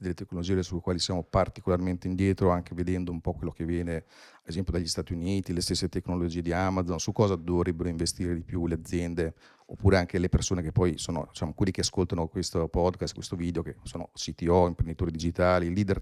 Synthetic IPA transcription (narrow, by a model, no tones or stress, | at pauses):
d̪elːet̪ekːnolod͡ʒiːesulːekwaːlisjaːmopart̪ikolarment̪eind̪jɛːt̪ɾoaŋk̟eved̪ɛnd̪oumpɔkwelːokevːjɛːne | ezɛmpjod̪aʎːist̪aːt̪iuniːt̪ilest̪esːet̪ekːnolod͡ʒiːed̪iamad̪zonsukːɔːzad̪ovɾɛbːeɾoiɱvest̪iːɾed̪ipjulead̪zːjɛnd̪e | o̰pːuːɾeaŋkelepersoːnekepːɔjsoːno̰d̪it͡ʃaːmokwelːikeaskolt̪anokwest̪opɔd̪kast̪̚kwḛst̪oviːd̪eokesoːnosit̪iɔimpɾend̪it̪uːɾid̪id͡ʒit̪aːliliːd̪er